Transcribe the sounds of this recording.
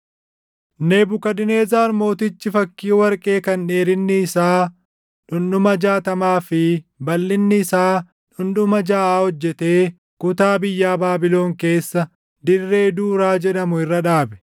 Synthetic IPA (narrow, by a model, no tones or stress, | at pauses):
nebʊkɐd̪ɪne̞ːzaːɾmo̞ːt̪ɪt͡ʃːɪfɐkːiːwɐɾkʼe̞ːkɐnᶑe̞ːɾɪnːɪːsaː | ᶑʊnɗʊmɐd͡ʒaːt̪ɐmaːfɪbɐlːɪnːɪːsaː | ᶑʊnᶑʊmɐd͡ʒaːaːhɔd͡ʒːɛt̪e̞ː | kʊt̪aːbɪjːaːbaːbɪlo̞ːŋke̞ːsːɐ | d̪ɪrːe̞ːɪd̪uːɾaːd͡ʒɛᶑɐmʊɪrːɐᶑaːbɛ̥